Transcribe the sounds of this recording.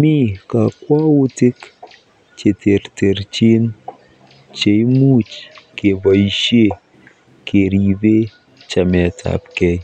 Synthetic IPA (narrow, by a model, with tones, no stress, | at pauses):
mi˦ka˨kwa˦wu˦tɪ˦k | t͡ʃe˨te˨ɾte˨ɾt͡ʃi˦n | t͡ʃe˨jmu˦t͡ʃke˨ba˨i˨ʃe˦ | ke˨ɾi˨be˦ | t͡ʃa˨mɛ˨ta̰˨pkɛ˦j